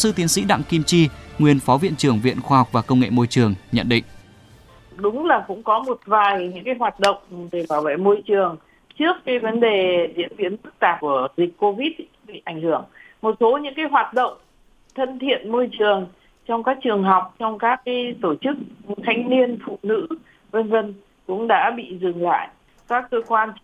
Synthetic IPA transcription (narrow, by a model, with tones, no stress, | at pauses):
sɨ˧t̪i˨˦ənsḭ˧˥ɗa̰˧˨ŋki˧mt͡ɕi˧ŋwi˨˩ənfɔ˨˦vḭ˧˨ənt͡ɕɨ˨˩əŋvḭ˧˨ənxwaː˧hɔ˨˩wk͡p̚vaː˨˩kə˧wŋ͡mŋḛ˧˨mo˧jt͡ɕɨ˨˩əŋɲə̰˧˨nɗḭ̈˧˨ŋ̟ | ɗʊ˨˦ŋ͡mlaː˨˩kʊ̰˧˥ŋ͡mkɔ˨˦mo˨˩t̚vaː˨˩jɲɨ̰˧˥ŋkaː˨˦jɦwaː˨˩t̚ɗə̰˧˨wŋ͡mɗe˧˩vaː˧˩wvə̰˧˨jmo˧jt͡ɕɨ˨˩əŋ | t͡ɕɨ˦˥əkːaː˨˦jvə˨˦nɗe˨˩zḭ˨˧˥ənvi˨˦ənfɨ˦˥k̚t̪aː˨˩p̚ku˧˩əzi˨˩k̟̚ko˧vi˦˥t̚ | ɓḭ˧˨ʔa˧˩ŋ̟hɨ˧˩əŋmo˨˩t̚so˨˦ɲɨ̰˧˥ŋkaː˨˦jɦwaː˨˩t̚ɗə̰˧˨wŋ͡m | t̪ʰə˧nt̪ʰḭ˧˨ənmo˧jt͡ɕɨ˨˩əŋ | t͡ɕɔ˧wŋ͡mkaː˦˥k̚t͡ɕɨ˨˩əŋɦa˨˩wk͡p̚t͡ɕɔ˧wŋ͡mkaː˦˥k̚ːaː˨˦jt̪o˧˩t͡ɕɨ˦˥k̚t̪ʰa˧jŋ̟ni˧ənfṵ˧˨nɨ̰˧˥ | və˧nvə˧n | kʊ̰˧˥ŋ͡mɗa̰ː˧˥ɓḭ˧˨zɨ˨˩ŋla̰ː˧˨j | kaː˦˥kːəː˧kwaː˧n